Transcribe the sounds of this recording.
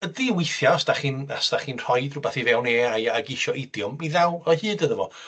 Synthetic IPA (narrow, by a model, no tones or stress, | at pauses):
ədiwɪjθjaɔstaχinastaχinr̥ɔjdrʊbaθivɛwneːaaɡɪʃɔʔɪdjʊmiðɛwɔhɨːdəðəvɔ̰